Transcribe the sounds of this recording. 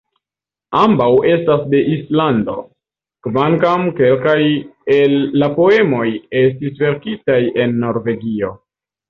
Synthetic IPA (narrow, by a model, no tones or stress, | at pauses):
ambawe̞stasde̞ʔislando̞̰ | kvaŋkamke̞lkajelːapo̞e̞mo̞je̞s̬tisve̞ɾkitaje̞nːo̞ɾve̞ɡio̞